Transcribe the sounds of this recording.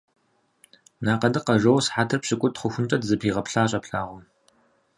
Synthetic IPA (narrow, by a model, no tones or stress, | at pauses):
naːqɐdɨqɐʒɐwsħaːtʰɨrpɕɪkʷʼʊtχʷʊxʷʊnt͡ʃʼɐdzɨpʰiːʁɐpɬaːɕʼɐpɬa̰ːʁʷʊ